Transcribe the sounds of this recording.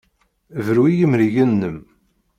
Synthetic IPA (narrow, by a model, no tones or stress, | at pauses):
vɾwijəmɾiʝənːəm